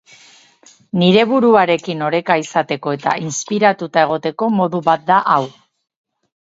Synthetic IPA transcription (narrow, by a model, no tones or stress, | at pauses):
niɾe̞βuɾuaɾe̞kino̞ɾe̞kaisat̪e̞ko̞e̞t̪a̰ʔinspiɾat̪ut̪ae̞ɣ̞o̞t̪e̞ko̞mo̞ðuβat̪̚d̪aʔaw